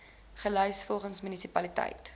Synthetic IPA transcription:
χəlœjsfɔlˠχənsmynisipɐlitɐ̰jt

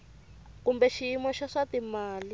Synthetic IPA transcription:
kumbɛʃijimɔʃaʂatimaːli

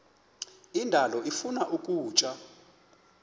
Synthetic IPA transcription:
indʱalɔʔifunaʔukʼuːt͡ʃʼa

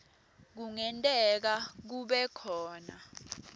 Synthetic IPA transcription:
k̬uŋɛntʼɛk̬ak̬uɓɛkʰɔːna

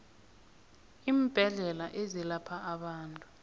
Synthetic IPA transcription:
iːmb̥ʱɛɮɛlaʔezilapʰaːɓaːntʼu̥

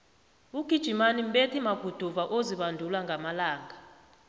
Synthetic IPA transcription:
uɡ̥ʱid̥ʒ̥ʱimanim̩ɓetʰimaɡ̥ʱud̥ʱuvaʔoziɓandʱulwaŋɡʱamalaːŋa

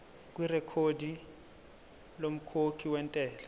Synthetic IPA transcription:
k̬ʼwirɛkʰodi | lom̩kʰokʰiwɛntʼɛːla

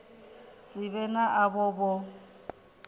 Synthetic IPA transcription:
sʼɪbɛnaʔabɔbɔ

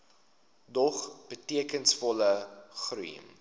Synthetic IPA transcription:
dɔχb̥ətiəkənsfɔləχruə̰m

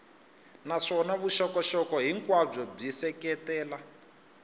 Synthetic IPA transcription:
naʂɔnaβuʃɔkɔʃɔkɔɦiŋkwab͡ʐɔb͡ʐisɛkɛtɛːla

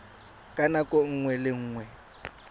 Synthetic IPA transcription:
kʼanakʼoŋ̩ŋwɛlɪŋ̩ːŋwɛ

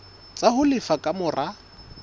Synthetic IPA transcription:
t͡sʼahʊlɪfakʼamʊrʔa

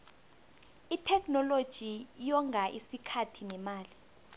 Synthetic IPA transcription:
itʰɛknɔlod̥ʒ̥ʱijɔŋʱaʔisikʰatʰinɛmaːli

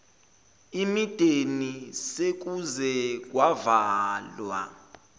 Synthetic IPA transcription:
imid̥ʱenisek̬uzɛk̬wavaːlwa̰

